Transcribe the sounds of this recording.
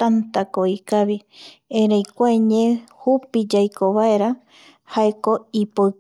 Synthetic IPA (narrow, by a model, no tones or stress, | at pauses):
t̪ant̪akoikaβiẽɾejkʷaeɲẽhupid͡ʒajkoβaeɾa | haeko̞ipo